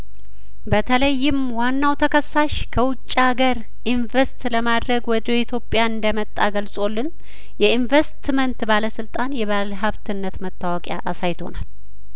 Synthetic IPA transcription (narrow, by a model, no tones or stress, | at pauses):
bət̪ʰələjːɪmwanːawt̪ʰəkʰəsːaʃkʰəwʊt͡ʃʼːaɡəɾ | ʔinvəst̪ləmad̪ɾəɡwɔd̪oit̪ʰjo̞pʼːjaɨnd̪əmət̪ʼːaɡəlsʼo̞lːɨn | jɛinvest̪mənt̪baləsɨlt̪ʼanjɛβalɦaβt̪ʰɨnːət̪mət̪ʼːawɔkʼja̰ʔasajt̪ʰo̞̰nal